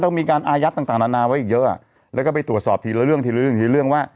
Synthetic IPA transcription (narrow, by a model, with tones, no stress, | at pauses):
t̪ɔ˥˩ŋmiː˧kaː˧nʔaː˧ja˦˥t̪a˨˩t̪aː˨˩naː˧˥naː˧wa˦˥jʔiː˨˩jɤ˦˥ʔa̰˨˩ | lɛ˦˥kɔː˥˩pa˧jt̪ɾu˩ət̪sɔː˨˩t̪ʰiː˧la˧˥˦ɾɯ˥˩əŋt̪ʰiː˧lɯ˥˦ɯ˥˩ə˨ŋt̪ʰiː˧˦lɯ˥˩əŋwaː˥˩